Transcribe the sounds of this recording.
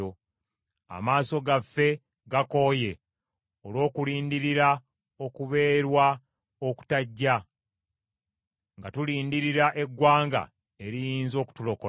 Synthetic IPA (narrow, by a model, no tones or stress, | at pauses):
o | a̰maːso̞ɡafːe̞ | ɡako̞ːje̞ | olwo̞ːkuliːndiɾiɾa | o̞kuβe̞ːɾwa | o̞ku̥taɟːa | ŋɡatuliːndiɾiɾaʔe̞ɡːwaːŋɡa̰ | eɾijiːnzo̞ːku̥tulo̞ko